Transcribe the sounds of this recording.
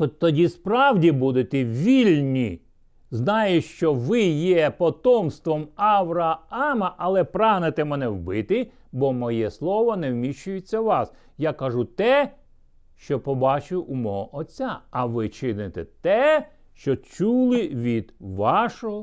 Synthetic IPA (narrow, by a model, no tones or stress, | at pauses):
ɔt̪ɔdʲispɾɑwdʲibud̪ɪt̪ɛʋʲilʲnʲi | znɑjɪʃt͡ʃɔʋɪjɛpɔt̪ɔmst̪ʋɔmɐʋɾɐɑmɐʔɐlˠɛpɾɑɦnet̪ɛmɛnɛwbɪt̪ɪ | bɔmɔjɛslˠɔʋɔnɛwmʲiʃt͡ʃʊjɪt͡sʲːɐʋɑs | jakɐʒut̪ɛ | ʃt͡ʃɔpɔbɑt͡ʃʊʔumɔɦɔʔɔt͡sʲːaɐʋɪt͡ʃɪnɪt̪ɛ̰t̪ɛ | ʃt͡ʃɔt͡ʃulˠɪʋʲid̪ʋɑʃɔɦɔ